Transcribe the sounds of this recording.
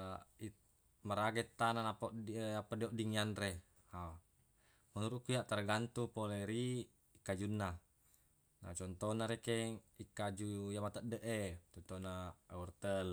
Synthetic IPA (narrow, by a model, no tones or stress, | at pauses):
i | maɾaɡɛt̪ːananapoʔapːadioʔdiŋanre | a | munuɾuʔkujaʔt̪arɡant̪upoleɾi | ikad͡ʒunːa | na̰t͡ʃɔnt̪ɔnaɾekɛŋikːad͡ʒujamat̪adəʔet̪ɔt̪onaurt̪əl